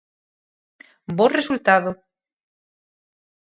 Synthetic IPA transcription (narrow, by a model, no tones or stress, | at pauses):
boresult̪aðo